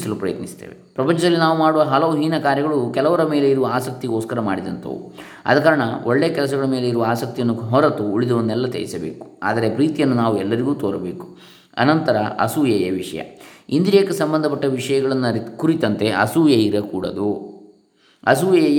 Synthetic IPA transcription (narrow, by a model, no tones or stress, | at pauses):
sɐlupɾɐjɐt̪nist̪ḛːʋepɾɐpɐɲt͡ʃɐd̪ɐlːinaːʋumaːɽuʋɐɦɐlɐʋuɦiːnɐkaːɾjɐɡɐɭukɛlɐʋɐɾɐme̞ːle̞iɾuʋɐaːsɐk̚t̪iɡoːskɐɾɐma̰ːɽid̪ɐnt̪ʰɐ̰ʋṵ | ɐ̰d̪ɐkaːɾɐɳɐoɭːeːɐkɛlɐs̬ɐɡɐɭɐme̞ːleiɾuʋɐaːsɐk̚t̪ijɐnːuɦɔɾɐt̪uːɭid̪ɐʋɐnːɛlːɐt̪ḛjisɐbḛːku̥a̰ːd̪ɐɾepɾiːt̪ijɐnːunaːʋuɛlːɐɾiɡuːt̪oːɾɐbe̞ːku̥ | ɐ̰nɐnt̪ɐɾɐɐ̰suːjejɐʋiʂɐ̰jɐ̰ind̪iɾeːkesɐmbɐnd̪ʱɐp̬ɐʈːɐʋiʂɐjɐɡɐɭɐnːkuɾit̪ɐnt̪e̞ʔɐ̰suːjeiɾɐkuːɽɐ̰d̪u | ɐsuːjej